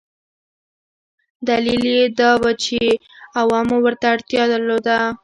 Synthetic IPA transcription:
d̪aliled̪ɑwat͡ʃe | awɑmowəɾt̪aːɽt̪jɑd̪əɾlod̪a

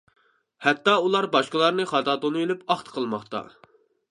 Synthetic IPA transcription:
hɛt̪ːɑulˠɑɾbɑʃqəlˠɑɾnɨχɑt̪ɑd̪onuilypɑχt̪qʰəlˠmɑχt̪ɑ̰

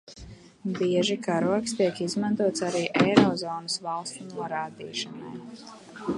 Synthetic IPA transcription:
biɛʒikaɾuɔkst̪iɛkizmãnt̪uɔt̪saɾiːʔejɾɔzɔːnəsvalˠst̪unuɔɾaːd̪ḭːʃɐna̰j

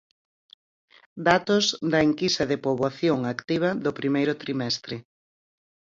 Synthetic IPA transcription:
d̪at̪ozd̪ɐeŋkisɐðɪpoβaθjoŋakt̪iβ̞ɐðʊpɾimejɾʊt̪ɾimɛst̪ɾɪ

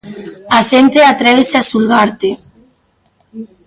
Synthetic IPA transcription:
aʃent̪eat̪ɾɛβ̞eseasulɣaɾt̪e

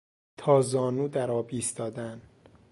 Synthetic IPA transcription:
t̪ʰɒːzɒːnuːd̪æɾɒːbiːst̪ɒːd̪æn

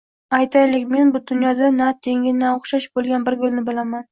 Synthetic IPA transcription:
ajt̪ʰajlɪkʲme̞nbʊd̪ʊnjɒd̪anat̪ʰe̞ŋʲɪnaoχʃaʃbolˠɡʲanbɪɾɡʊlnɪbɪlaman

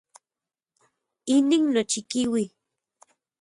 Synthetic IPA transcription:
iniŋnot͡ʃikiwi

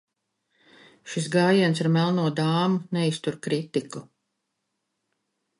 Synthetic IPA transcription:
ʃisɡaːjiɛns̬aɾmælˠnuɔd̪aːmunɛist̪uɾkɾit̪iku

